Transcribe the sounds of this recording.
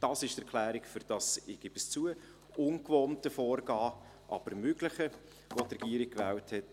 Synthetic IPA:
d̥ɑsɪʃtəɾkʰlæːɾikfʏɾd̥ɑsɪːɡ̥ɪb̥əst͡suə | ʊnkvoːntəfɔːɾɡɑː | ʔɑ̰b̥əɾmøɡləχə | ʋot̪rɛɡiːɾik̚kʋɛːlthɛt

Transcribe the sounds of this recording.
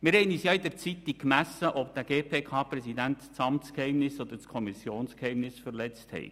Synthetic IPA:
mɪɾhɛɪniːsjɑid̪ɛɾt͡sit̪ikkkmæsːəʔɔpd̥̪æɡ̥eːpʰeːkʰɑːpɾɛsid̪ænt̪t͡sɑmt͡skhɛɪmnɪsɔd̪əɾt͡skʰɔmisjoːnskhɛɪmnɪsfəɾlɛt͡sthɛ̰ɪ

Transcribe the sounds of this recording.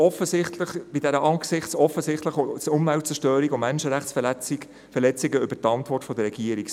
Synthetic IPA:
ɔfəsɪtləχbɪdæɾəʔɑːɡsɪχtt͡sɔfəsɪχtləχt͡sʊmvælt̚t͡sɛʃtøːɾikʊmmɛnʃəɾæχt͡s | fɛlɛt͡sɪɡəʏbəɾtɑntʋɔrtfɔd̪əɾɛɡ̥iəɾik

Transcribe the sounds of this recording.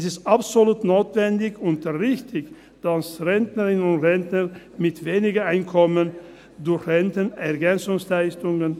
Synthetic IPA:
sɪstapsoluːtnoːtv̥ɛndɪçʊntdʁɪçtʰɪç | d̥asʁɛntnəʁɪnənʊntʁɛntnə | mɪtveːnɪɡɐʔaɪnkʰɔmən | dʊɐçʁɛntənɛɐɡɛnt͡sʊŋslaɪstʊŋən

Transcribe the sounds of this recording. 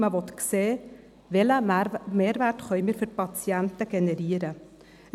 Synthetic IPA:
məʋɔt̪kseː | ʋɛləmeːɾvæɾtχœʏmiːɾfʏɾpɑt͡sjɛntəɡ̥ɛnɛɾiəɾə

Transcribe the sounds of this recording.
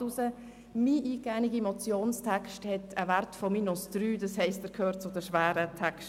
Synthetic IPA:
usə | miːʔiːɡæːniɡimɔt͡sjoːnstʰɛkʃthɛtʰəvæɾtfɔmiːnʊsd̥ryːdɑshɛɪstəkʰøːɾt͡sʊdəʃʋæːɾətʰɛkʃt

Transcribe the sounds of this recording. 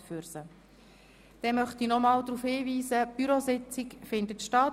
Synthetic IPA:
fyɾsə | d̥ɛmœχt̪inɔmɑːld̪ɾuːfhiːviːzəb̥yɾosɪt͡sɪkfɪndətʃtɑt

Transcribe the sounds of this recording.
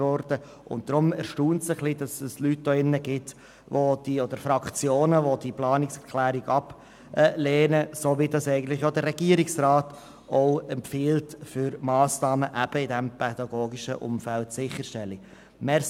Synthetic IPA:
ɔɾd̥ə | ʔʊ̰nt̚d̥̪ɾʊmɛɾʃtuːntsəχlidɑsɛslyt̚doːɪnːəɡɪt | ʋod̥iodəɾfɾɑkt͡sjoːnəvodiplɑːnɪksɛɾkʰlæːɾiɡɑp | leːnəsoːʋidɑsɛɪɡən̩t̪lɪχjodəɾɛɡiəɾɪksraːt | oʊɛmpfiːltfʏɾmɑːsnɑːməʔæb̥əɪdɛmpʰɛd̥ɑɡoːɡiʃə̰ʔʊ̰mfæltsɪχːəɾʃtɛlːi | mɛ

